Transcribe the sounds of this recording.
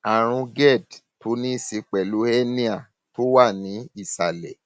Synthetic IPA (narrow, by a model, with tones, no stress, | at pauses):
a˨ɾ̃ũ˧ɡɛ˦˨d | to˨˦nĩ˦˨si˧k͡pɛ˨lu˨˦ɛ˦nĩ˦a˦˨ | to˦wa˦˨nĩ˨˦i˦˨sa˨lɛ˨